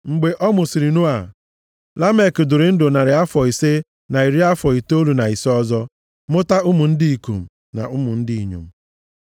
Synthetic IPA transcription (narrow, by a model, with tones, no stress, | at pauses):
ŋ͡m̩˨ɡ͡be˨ʔɔ˦mʊ˨si˨ɾi˨nu˦a˨ | la˦me˦˨kdʊ˨ɾɪ˨n̩˦dʊ˨na˨ɾɪ˨a˦fɔ˨i˨se˦ | na˨i˨ɾi˦a˦fɔ˨i˨to˦lu˨na˨i˨se˦ɔ˦zɔ˦ | mʊ˦ta˦ʊ˦mʊ˨n̩˦di˦i˨kṵ˨m̩˨ | na̰˨ʔʊ˦mʊ˨n̩˦dɪ˦i˨ɲṵ˨m̩˨